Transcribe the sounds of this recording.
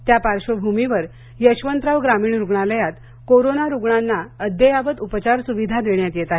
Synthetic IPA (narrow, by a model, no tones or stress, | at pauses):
t̪japaɾɕobʱumiʋəɾ | jəɕʋənt̪ɾaʋɡɾamiːɳɾuɡɳaləjat̪ | koɾonaɾuɡɳanːaəd̪jəjaʋət̪upət͡ɕaɾsuʋid̪ʱad̪ʋeɳjat̪jet̪aɦe